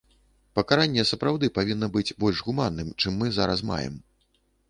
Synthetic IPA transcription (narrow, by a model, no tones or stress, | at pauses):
pɐkaɾanʲːɛsɐpɾawd̪ɨpavʲinːɐbɨt͡sʲbɔlʲʐɣumanːɨmt͡ʂɨmːɨzaɾɐ̰sma̰jɛ̰m